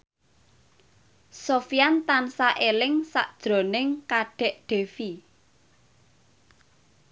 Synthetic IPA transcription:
sofijant̪ansaʔelɪŋsa̰ʔd̥ʒ̥ɾo̤nɪŋkaɖ̥ɛ̤ʔɖ̪̥e̤fi

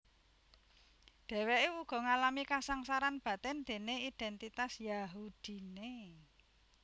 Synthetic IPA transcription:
ɖ̪̥ɛ̤weʔeuɡ̥ɔ̤ŋalamikasaŋsaɾanb̥ä̤t̪ɛnd̪̥e̤neid̪̥ɛnt̪it̪asjaɦud̪̥i̤ne

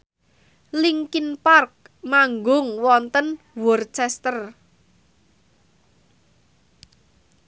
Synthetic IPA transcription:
liŋkinpark̚ | maŋɡʊŋwɔnt̪ən | wɔrt͡ʃɛst̪ər

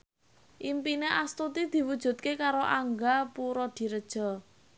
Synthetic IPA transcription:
ʔimpineʔast̪ut̪id̪̥i̤wud̥ʒ̥ṳt̪̚kekaɾoʔaŋɡapuɾɔd̪̥i̤ɾəd̥ʒ̥ɔ̤

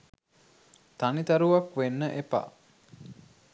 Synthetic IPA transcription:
t̪anit̪aɾuʋakʋenːəʔepa̰

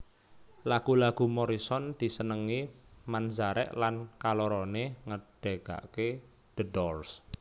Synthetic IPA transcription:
laɡ̥ṳlaɡ̥ṳmɔɾisɔnd̪̥i̤sənəŋimand͡ʒaɾɛ̰ʔlankaloɾɔneŋəɖ̥eɡ̥a̰ʔke | d̪̥ədɔrs

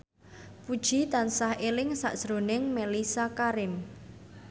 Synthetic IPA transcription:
pud̥ʒ̥i̤t̪ansahʔelɪŋsa̰ʔʒ̥ɾonɪŋmelisakaɾɪm

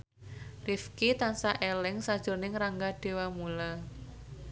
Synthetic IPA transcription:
rifkit̪ansaʔelɪŋsad̥ʒ̥ʊ̤rnɪŋraŋɡaɖ̥e̤wamula

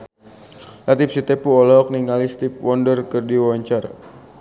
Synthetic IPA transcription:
lat̪ip̚sit̪epuɔlɔk̚niŋalist̪ip̚wɔndərkərdiwawaɲt͡ʃaɾa̰

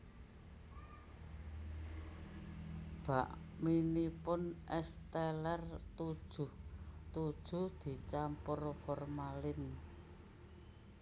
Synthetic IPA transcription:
b̥ä̤ʔminipʊnʔɛst̪ɛlɛrt̪u̥uht̪ud̥ʒ̥ṳhd̪̥i̤t͡ʃampʊrfɔrmalɪn

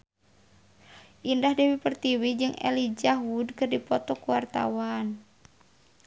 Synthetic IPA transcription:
ʔindahdiwipərt̪iwid͡ʒɨŋɛ̰lid͡ʒaɦudkɨrdipɔt̪ɔkuwart̪a̰wan

